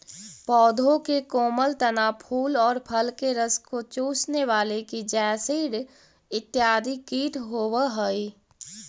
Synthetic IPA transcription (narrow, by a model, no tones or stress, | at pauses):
pɔːd̪ʱõkekoːməlt̪ɐnaːpʰuːlɔːɾpʰəlkeɾəskot͡ʃuːsneʋaːlekid͡ʒɛːsiːɽ | ɪt̪ːjaːd̪ʱikiːʈɦoːwəɦəi